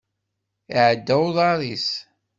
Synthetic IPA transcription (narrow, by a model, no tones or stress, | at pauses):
iʕd̪ːæwðˤɑɾˤis